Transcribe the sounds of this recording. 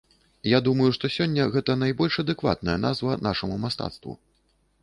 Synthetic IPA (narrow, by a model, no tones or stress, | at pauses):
jad̪umɐjuʂt̪ɔsʲɔnʲːɐɣɛt̪ɐnajbɔlʲʂɐd̪ɛkva̰t̪̚nɐjɐna̰zvɐnaʂɐmumast̪a̰t̪st̪vṵ